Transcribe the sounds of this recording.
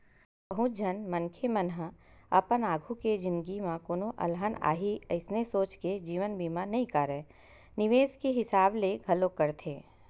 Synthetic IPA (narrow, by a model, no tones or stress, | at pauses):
pəɦʊ̃d͡ʒʱənmənkʰemənɦəɐ̰pənaːɡʱuked͡ʒɪ̃nd̪ɡimãkoːnoʔɐ̰lɦəna̰ːɦiəɪsnesoːt͡ʃked͡ʒiːʋənbʱiːmãnɐɦĩkaːɾɛ | nɪʋeːskeɦɪsaːbleɡʱɐlõkəɾt̪ʰeː